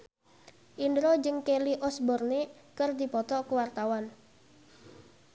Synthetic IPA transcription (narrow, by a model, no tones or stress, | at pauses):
ʔindɾod͡ʒɨŋkeliʔɔsbɔrnekərd̪i̤pɔt̪ɔkəwart̪awan